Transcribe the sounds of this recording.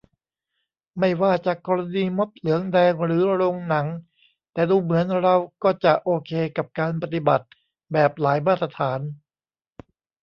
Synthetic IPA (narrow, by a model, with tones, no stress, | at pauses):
ma˥˩jwaː˥˩t͡ɕaː˨˩kːɔː˧ɾa˧niː˧mo˦˥p̚lɯ˩˦əŋdɛː˧ŋɾɯː˩˦ɾo˧ŋna˩˦ŋ | t̪ɛː˨˩duː˧mɯ˩˦ənɾa˧wkɔː˥˩t͡ɕa˨˩ʔoː˧kʰeː˧ka˨˩p̚kaː˧npa˧t̪i˨˩ba˨˩t̪̚ | bɛː˨˩p̚laː˩˦jmaː˥˩t̪ɾa˧t̪ʰaː˩˦n